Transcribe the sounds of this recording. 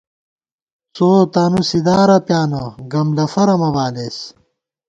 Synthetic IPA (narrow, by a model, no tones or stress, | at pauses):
t͡soːt̪aːnusid̪aːɾɐpjaːnɐɡɐmlɐfɐɾɐmɐβaːles